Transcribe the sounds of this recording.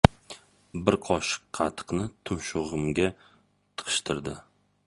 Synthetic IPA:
bɪɾqʰɒʃɪ̥qːʰɑt̪ʰɨ̥qnɪt̪ʰʊnʃʊʁɨmɡʲa | t̪ʰɨ̥qʰɨ̥ʃt̪ʰɪɾd̪ɪ

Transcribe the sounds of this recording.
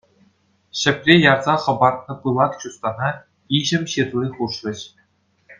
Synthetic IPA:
ɕɘ̆pʲrʲejɑrzɑχɤ̆bɑrt̪̚nɤ̆pɯlˠɑt̪t͡ɕust̪ɑnɑ | iʑɘ̆mʲɕet̪urʲiχuʂrʲɘ̆ɕ

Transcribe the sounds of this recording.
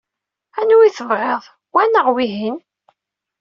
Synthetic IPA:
ænuwiθəvʁeðˤ | wænəʁwiɦin

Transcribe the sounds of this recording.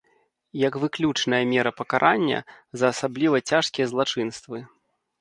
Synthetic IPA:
jɐkvɨklʲut͡ʂnɐjɐmʲɛɾɐpɐkaɾʔanʲːɐ̰zɐːsablʲivɐt͡sʲaʂkʲijɐzlˠat͡ʂɨnst̪vɨ

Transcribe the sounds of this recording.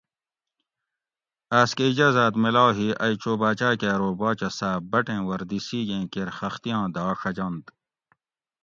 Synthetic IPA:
aːskeid͡ʑaːzaːt̪milaːwɦiʔɐjt͡ɕoːbaːt͡ɕaːkeːɾoːbaːt͡ɕɐsaːbɐʈẽːwɐɾd̪isiːɡẽːkeɾxɐxt̪ijãːd̪aːʂɐd͡ʑɐ̃nt̪

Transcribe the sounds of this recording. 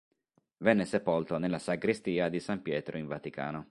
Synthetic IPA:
vɛnːesepolt̪onelːasaɡɾist̪iːad̪isampjɛːt̪ɾoiɱvat̪ika̰ːno

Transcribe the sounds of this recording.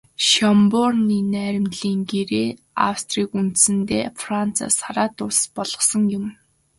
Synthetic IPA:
ʃɔmpʊrniːnæːɾʲɪ̆mɮiːŋɡeɾeː | a̰wst̪riːkunt̪sɘ̆nt̪eːfran̥t͡sʰa̰saɾaːt̪ʊɮpɔɮ̥ɞ̥̆χsɞ̆ŋjʊm

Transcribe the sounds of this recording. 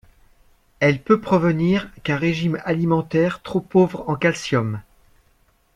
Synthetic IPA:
ɛlpøpχɔvəniʁkɛ̃ʁeʒimalimɑ̃t̪ɛʁt̪χopovʁɑ̃kalsjɔm

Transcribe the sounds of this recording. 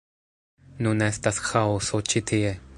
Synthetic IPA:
nunɛst̪asxaosot͡ʃit̪ʰie

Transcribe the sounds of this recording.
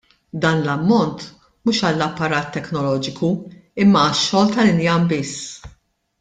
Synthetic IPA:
d̪ɐːnlɐmːɔnt̪ | muːʃɐlːɐpːɐɾɐːt̪ːɛknɔlɔːd͡ʒɪkuɪmːɐːʃːɔːlt̪ɐlɪnjɐmbɪsː

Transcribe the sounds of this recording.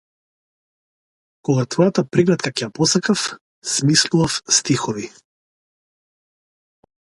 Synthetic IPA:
kɔɡat̪vɔjat̪apɾiɡlɛt̪̚kakɛjapɔsakaf | smislˠuvafst̪ixɔvi

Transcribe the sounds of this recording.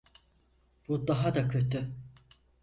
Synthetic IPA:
b̥ud̪aɦad̪akʰø̞t̪ʰy

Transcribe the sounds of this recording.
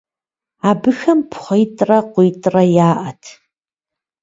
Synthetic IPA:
abɨxɐmpʰχʷɔjtʼrɐqʷijtʼrɐjaːʔɐtʰ

